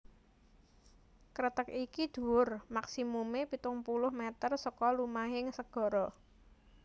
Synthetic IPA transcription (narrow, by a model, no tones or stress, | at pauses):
kɾət̪əkikid̪̥ṳʊrmaksimumepit̪ʊŋpulʊhmɛt̪ərsɔkɔlumaɦɪŋsəɡ̥ɔ̤ɾɔ